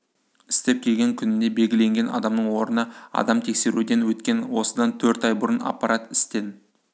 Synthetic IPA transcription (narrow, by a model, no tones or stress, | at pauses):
ɪ̥st̪e̞p̚kʲʰe̞lɡʲeŋkʲʰʏnɪne̞be̞lɡʲɪle̞ŋɡʲe̞nɑ̰d̪ɑmnəɴwo̞ɾənɑɑ̰d̪ɑmt̪ʰe̞kse̞ɾud̪e̞nwɵt̪kʲe̞nwo̞səd̪ɑnt̪ʰɵɾt̪ɑjbʊɾənɑ̰pːɑɾʔɑt̪ɪst̪e̞n